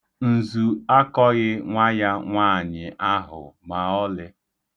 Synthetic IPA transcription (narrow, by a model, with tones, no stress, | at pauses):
n̩˨zu˨a˦kɔ˦ɣɪ˦ŋʷa˦ja˦ŋʷaː˦˨ɲɪ˨ʔa˦ɦʊ̰˨ma˨ɔ˦lɪ˦